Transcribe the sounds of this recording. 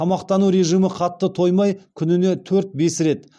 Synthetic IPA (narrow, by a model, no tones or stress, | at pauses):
ɑmɑqt̪ɑnuɾe̞ʒijmɪqʰɑt̪ːət̪ʰo̞jmɑjkʲʰʏnɪne̞t̪ʰɵɾt̪̚be̞sɾe̞t̪